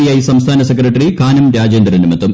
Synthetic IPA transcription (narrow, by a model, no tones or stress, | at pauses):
jaːjisɐmst̪ʰaːnɐsekɾɐʈːɐɾikaːnɐmɾaːd͡ʑeːnd̪ɾɐnimɐt̪ːum